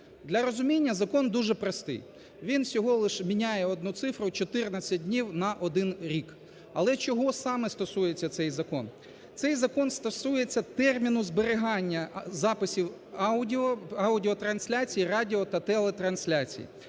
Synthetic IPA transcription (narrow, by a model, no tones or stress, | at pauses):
d̪lʲɐɾɔzʊmʲinʲːɐzɐkɔnd̪uʒɛpɾɔst̪ɪ̰j | ʋʲinsʲɔɦɔlˠɪʃmʲinʲajɛɔd̪nut̪sɪfɾʊt͡ʃɔt̪ɪrnɐt͡sʲɐdʲnʲiwnɐʔɔd̪ɪnɾʲik | ɐ̰lˠɛt͡ʃɔɦɔsɑmɛst̪ɔsujet͡sʲːɐt̪sɛjzɐkɔn | t̪sɛjzɐkɔnst̪ɔsujet͡sʲːɐt̪ɛrmʲinʊzbeɾɪɦɑnʲːɐzɑpɪsʲiwʲ | ɔɐwdʲɪɔt̪ɾɐnsʲlʲat͡sʲijirɑdʲiɔt̪ɐt̪ɛlˠɛt̪ɾɐnsʲlʲat͡sʲḭjḭ